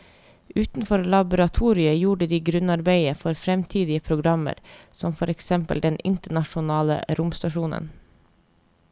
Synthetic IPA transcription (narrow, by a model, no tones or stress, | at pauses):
ʉːt̪n̩fɔɾlɑbʊɾɑt̪ʰuːɾɪəjuːɖəd̪iːɡɾʉnɑɾbæɪəfɔɾfɾɛmt̪ʰiːd̪ɪəpʰɾʊɡɾɑmə̰ɾsɔmfɔɾɛksɛmpə̰ld̪ɛnʔɪnt̪əɳɑʂʊnɑːlə̰ɾʊmst̪ɑʃuːnə̰n